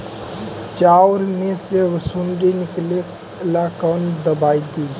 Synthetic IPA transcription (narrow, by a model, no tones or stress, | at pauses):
t͡ʃaʊɾmeseʋsuɳɖinikle | lakənd̪əbaid̪i